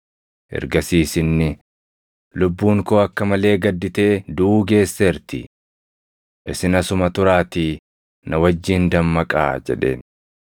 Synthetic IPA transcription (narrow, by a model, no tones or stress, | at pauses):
ʔɛ̰ɾɡɐsiːsɪnːɪ | lʊbːuːŋko̞ːɐkːɐmɐle̞ːɡɐd̪ːɪt̪e̞ːd̪ʊːɡe̞ːsːɐɪɾt̪ɪ | ʔɪsɪnɐsʊmɐt̪ʊɾaːt̪iː | nɐwɐd͡ʒːiːnd̪ɐmːɐkʼa̰ːd͡ʒɛ̰ᶑe̞̰ːn